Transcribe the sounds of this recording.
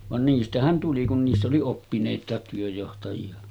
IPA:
ʋɑn niːstæhæn tuli kun niːsː oli opːineˑitˑɑˑet tyøjːohtɑjiɑ

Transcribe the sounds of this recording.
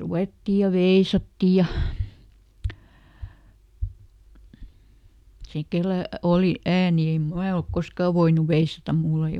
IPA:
ruʋeˑtːi jɑ ʋeisɑtːi jɑ se kelæ oli æːni em mæː olk koskɑˑ ʋoinuʋ ʋeisɑtɑm mulː ei

